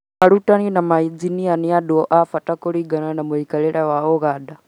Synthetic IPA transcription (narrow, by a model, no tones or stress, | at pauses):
aɾutaninamaid͡zinianiadɔɔʔafatakɔɺiɡananamuikalɛɺawaɔɣada